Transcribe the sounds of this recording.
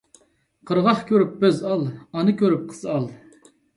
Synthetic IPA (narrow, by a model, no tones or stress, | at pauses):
qʰəɾʁɑχkʲøɾyp̚bøzɑlˠɑnɨkʲʰøɾyp̚qʰə̥z̥ɑlˠ